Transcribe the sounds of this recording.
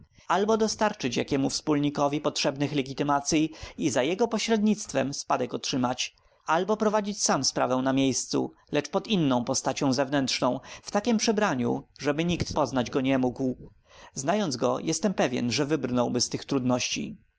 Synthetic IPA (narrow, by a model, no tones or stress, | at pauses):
albɔd̪ɔst̪aɾt͡ʂɘt͡ɕjakʲɛmufspulɲikɔvʲipɔtʂɛbnɘxlɛɡʲit̪ɘmat̪sʲjiizajɛɡɔpɔɕɾɛd̪ɲit̪st̪fɛmspad̪ɛkɔtʂɘmat͡ɕ | albɔpɾɔvad͡ʑit͡ɕsamspɾa̰vɛw̃namʲjejst̪sṵ | lɛt͡ʂpɔd̪inːɔ̃w̃pɔst̪at͡ɕɔ̃w̃zɛvnɛntʂnɔ̃w̃ft̪akʲɛmpʂɛbɾaɲṵʐɛbɘɲikt̪pɔznad͡ʑɡɔɲɛmuɡw | znajɔnd̪zɡɔjɛst̪ɛmpɛvʲjɛ̰nʐɛvɘbɾnɔwbɘst̪ɘxt̪ɾud̪nɔɕt͡ɕḭ